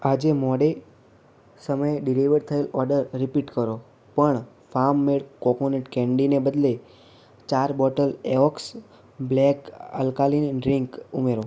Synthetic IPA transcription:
ad͡ʒemɔɽe | səməjeɖiliʋəɾt̪ʰəelɔɾɖəɾːipiʈkəɾo | pəɳ | fʰaɾmːeɭkɔponeʈkɛ̃ɳɖinebəd̪le | t͡ʃaɾbɔʈəleɔks | blɛkə̰lkalinɖɾiŋkumeɾo

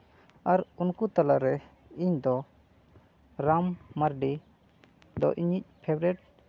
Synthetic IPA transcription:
aɾunkut̪alaʔɾɛ | iɲd̪ɔ | ɾamːaɾɖi | d̪ɔ̰ʔiɲic̚pʰɛbɾɛʈ̚

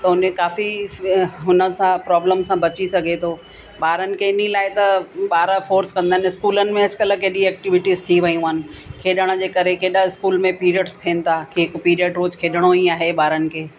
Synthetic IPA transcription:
t̪ɐɦʊnẽkaːfi | ɦʊnə̆sãpɾɔːbləmsãbɐt͡ɕisɐɡʱet̪ʰoː | ɓaːɾənɪ̆kʰeɪnĩlaːɪt̪ɐɓaːɾəfoːɾskɐ̃nd̪aːɦɪnɪɪskuːlənɪ̆mẽɦɐd͡ʑkɐləkeːɗiɛːk̚ʈɪʋɪʈizt̪ʰiʋɐiũaːɦnɪ̆kʰeːɗəɽ̃ə̆d͡ʑeːkɐɾekeːɗəɪskuːlmẽpiːɾəʈst̪ʰiənɪ̆t̪ʰaːkʰːɪkpiːɾəʈɾoːd͡ʑkʰeːɗəɽ̃oiaːɦeɓaːɾənɪ̆kʰeː

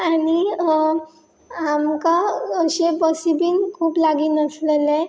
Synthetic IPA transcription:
aɽ̃i | amkaːɕebəsibiːnkʰuːplaɡiːnəslele

